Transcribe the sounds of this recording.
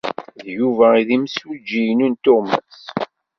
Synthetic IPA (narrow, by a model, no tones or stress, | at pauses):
ðjuvæiðimsud͡ʒijnunt̪oʁmæs